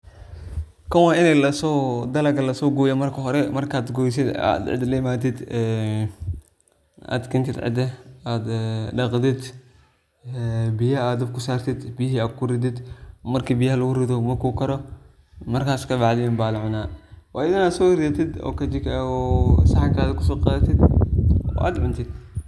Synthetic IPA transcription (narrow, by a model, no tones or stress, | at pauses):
kʰɐwaːɪnɛjlɐsɔd̪ɐlɐɡɐlɐsɔːɡɔːjɐmɐrkʰɐɦɔɾɛmɐrkʰaːd̪ɡɔːjs̬ɪd̪a̰d̪ʕɪ̰d̪lɐjɪmaːt̪ɪd̪ɛ | a̰ːd̪kʰɪnt̪ʰɪd̪ʕɪ̰d̪ɛaːd̪ɖɑqd̪ɪd̪ | bɪjɐaːd̪ɔb̚kʰʊsaːrt̪ʰɪd̪bɪjhiaːd̪̚kʰʊɾɪd̪ɪd̪mɐrkʰibɪjɐhɐlɐɣʊɾɪd̪ɔmɐkʰukʰɐɾɔ | mɐrkʰaːskɐbɑʕd̪ɪnbaːlʕʊnaːwaːjɪðɐnaːd̪sɔːhɪɾɪðɐt̪ʰɪd̪ɔ̰ːkɐd͡ʒɪkɔsɐħaŋkaːdkʰʊsɔːqɑːðɐt̪ʰɪd̪ɔ̰ʔa̰ːd̪mɪnt̪ʰɪd̪